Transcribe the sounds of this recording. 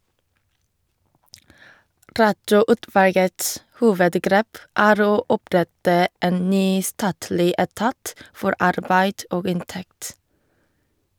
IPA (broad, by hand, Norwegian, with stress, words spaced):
ˈɾɑtɔˌʊtʋɑlɡəts ˈhuːʋədˌɡɾeːp ˈæːɾ ˈoː ˈɔˌpɾɛtə ˈeːn ˈnyː ˈstɑːtlɪ ɛˈtɑːt ˈfɔɾ ˈɑɾbæɪd ˈʔoːɡ ˈɪnˌtɛkt